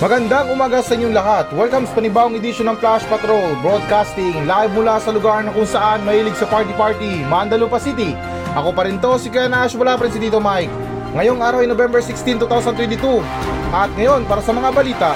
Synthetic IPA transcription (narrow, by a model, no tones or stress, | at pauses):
mɐɡɐnd̪aŋʊmaːɡasɐʔɪɲːoŋlɐɦat̪wɛlkɐmspɐnɪbaːʔoŋɪd̪iʃonɐŋplaʃpɐt̪ɾolbɾod̪̚kast̪ɪŋlab̚mʊlasɐlʊɡaɹnɐkʊŋsɐʔanmɐhiːlɪɡsɐpaɹt̪ipaɹt̪imand̪ɐlupɐsit̪i | ʔɐko̞pɐɾint̪o̞sikɛnɐʔaʃʊpɐlapɐɾins̬id̪iːt̪omajk̚ | ŋɐjo̞ŋʔaːɾɐwɐjnobɛmbɛɹsɪkst̪int̪uːt̪awsɐnt̪wɛnt̪ɪt̪u | ʔɐt̪̚ŋɐjo̞npaːɾɐsɐmɐŋabɐliːt̪ɐ